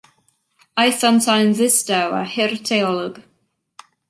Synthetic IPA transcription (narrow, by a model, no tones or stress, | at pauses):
ajθamtʰajnzɪstawa̰hɪrtʰɛɔlˠɔɡ̥